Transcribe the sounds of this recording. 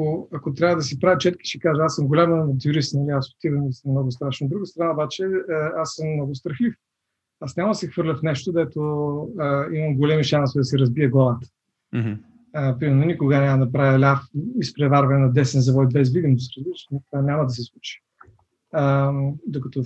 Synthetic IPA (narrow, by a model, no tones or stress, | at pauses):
oɐkot̪ɾʲavəd̪ɐsipɾavət͡ʃɛt̪ki̥ʃɛkaʒəasːəmɡolʲaməɐt̪juɾisnɐliasʊ̥t̪ivəmisəmnɔɡʊst̪ɾaʃnoːd̪ɾuɡəst̪ɾɐnaobat͡ʃɛəasːəmːnɔɡʊst̪ɾɐxlif | asnʲamɐd̪ɐsɛxv̥ɤɾlʲəfnɛʃt̪od̪ɛt̪oəiməmɡolʲɛmiʃansɛd̪ɐsɛɾɐzbiəɡlˠavət̪ə̥ | əpɾimɛɾnonikoɡanʲamɐd̪ɐpɾavʲjɐlʲafispɾɛvaɾvɛɛnɐd̪ɛsɛnzɐvɔjid̪vɛzvid̪imsiɾəzlit͡ʃt̪nt̪vanʲamɐd̪ɐs̬ɛslˠut͡ʃi̥ | əd̪okɐt̪ɔ